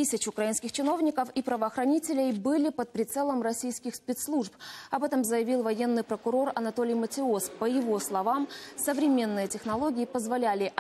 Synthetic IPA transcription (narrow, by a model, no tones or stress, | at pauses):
ɨsʲɪt͡ɕʊkɾɐinskʲɪxt͡ɕɪno̞vnʲɪkəfipɾəvəːxɾɐnʲitʲɪlʲɪjbɨlʲɪpət̪̚pɾʲɪt̪sɛlˠəmrɐsʲijskʲɪxspʲɪt̪slˠuʐpɐbɛt̪əmzəjɪvʲilˠvɐje̞nːɨjpɾəkʊɾo̞rɐnɐt̪olʲɪjmətʲɪospəjɪvo̞slˠɐvamsəvɾʲɪmʲe̞nːɨjətʲɪxnɐlˠo̞ɡʲɪɪpəzvɐlʲælʲɪ